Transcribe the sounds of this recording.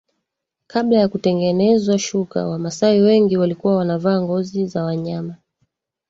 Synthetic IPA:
kaɓlajakutɛŋɡɛnɛzwaʃuka̰wamasawiwɛŋɡiwalikuwawanavaːŋɡɔzizawaɲama

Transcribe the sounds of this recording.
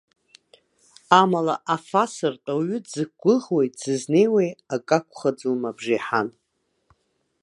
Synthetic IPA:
amala̰ʔafasɨrtʼaɥʏd͡zɨk̚ɡʷʊʁwejtʼz̥ɨzne̞jwejakʼakʷʰʼχad͡zumabʐiħan

